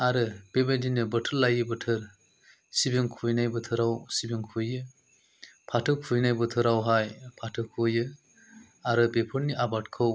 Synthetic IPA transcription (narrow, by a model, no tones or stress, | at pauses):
aɾɯbebajdinɯbətʰɯɾlːajɯbɯtʰɯɾ | sibiŋkʰujnajbɯtʰɯɾawsibiŋkʰujɯ | pʰatʰɯkʰujnajbɯtʰɯɾawɦajpʰatʰɯkʰujɯ | aɾɯbepʰɯɾniʔabat̚kʰɯw